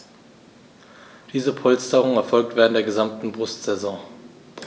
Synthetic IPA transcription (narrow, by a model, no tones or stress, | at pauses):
d̥iːzəpʰɔlstəʁʊŋɛɐfɔlk̚tv̥eːʁntd̥eːɐɡəzamtn̩bʁʊstz̥ɛzɔ̃ː